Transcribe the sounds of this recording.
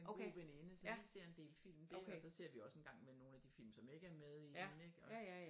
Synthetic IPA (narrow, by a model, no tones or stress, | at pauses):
eb̥enenəsɒise̝ɐ̰e̝nd̥e̝̰ːlfil̰md̥eɒsɒ̽se̝ɐ̰ʋiɒ̽se̝nɡ̥ɑ̈ŋ̰meno̝ːnæd̥ifil̰msɒ̽me̝ɡ̥əæɐmeðˠi̥neɡ̥ɒ̽